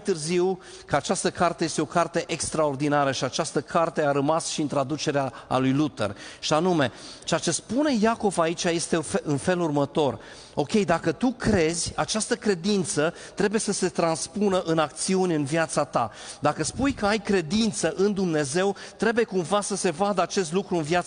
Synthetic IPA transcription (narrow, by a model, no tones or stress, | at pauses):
jt̪ɨrziw | kəat͡ʃast̪əkart̪eje̞st̪eo̞kart̪e̞ʔekst̪ɾao̞rd̪inaɾəʃiat͡ʃast̪əkʰart̪e̞aɾəmasʃiɨnt̪ɾad̪ut͡ʃe̞ɾeaa̰lujlut̪ḛrʃianume̞t͡ʃeat͡ʃe̞spune̞jako̞vait͡ʃaje̞st̪e̞ɨnfe̞lurmət̪o̞r | o̞kʲe̞jd̪akət̪ukɾe̞zʲat͡ʃast̪əkɾe̞d̪int̪sə | t̪ɾe̞buje̞səse̞t̪ɾanspunəʔɨnak̚t̪siunʲɨnvjat̪sat̪a | d̪akəspujkəajkɾe̞d̪int̪səʔɨnd̪umne̞ze̞wt̪ɾe̞buje̞kumvasəse̞vad̪əat͡ʃe̞s̬t̪lukɾuɨnvja